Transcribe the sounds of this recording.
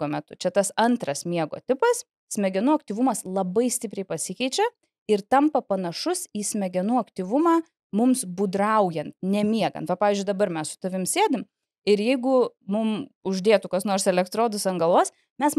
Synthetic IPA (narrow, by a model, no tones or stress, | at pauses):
ɡoːmʲɛt̪ʊt͡ʃʲɛt̪ɐsɐnt̪ɾɐsmʲiɛɡo̰ːt̪ʲɪpɐs | sʲmʲɛɡʲɛnuːɐk̚t̪ʲiːʋʊmɐslˠɐbɐɪsʲt̪ʲɪpʲɾʲɛɪpɐsʲɪkʲɛɪt͡ʃʲɛ | ɪrt̪ɐmpɐpɐnɐʃʊsiːsʲmʲɛɡʲɛnuːɐkt̪ʲiʋʊmɑː | mʊmsbud̪ɾɐʊjɛnt̪̚nʲɛmʲiɛɡɐ̰nt̪ʋɐpɑːʋʲiːzʲd͡ʒʊɪd̪ɐbɐɾmʲɛssʊ̥t̪ɐʋʲɪmsʲeːd̪ʲɪm | ɪɾjɛɪɡʊmʊmʊʒʲd̪ʲeːt̪ʊkɐsnoːɾsɛlʲɛkt̪ɾoːd̪ʊsɐŋɡɐlˠʋoːs | mʲɛs